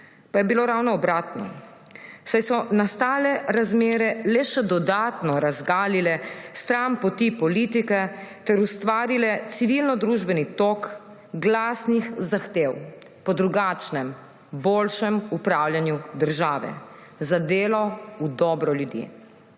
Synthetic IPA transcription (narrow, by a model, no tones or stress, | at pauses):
pajɛbiloɾawnɔɔbɾaːt̪nɔ̰ | sajsɔnast̪aːlɛɾazmeːɾɛlɛʃɛd̪ɔd̪aːt̪nɔɾazɡaːlilɛst̪ɾampɔt̪ipɔlit̪ikɛt̪ɛɾust̪ʋaːɾilɛt̪siʋilnɔd̪ɾuːʒbɛnit̪ok | ɡlaːsnixzaxt̪eːwpɔd̪ɾuɡaːt͡ʃnɛm | boːlʃɛmupɾaːwljanjud̪əɾʒaːʋɛ̰zad̪eːlɔud̪ɔbɾɔljud̪jḛ